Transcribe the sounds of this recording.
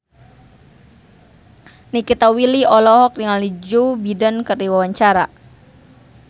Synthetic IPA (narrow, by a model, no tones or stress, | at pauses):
nikit̪awiliɔlɔɦɔk̚diŋalid͡ʒubidankərdiwawaɲt͡ʃaɾa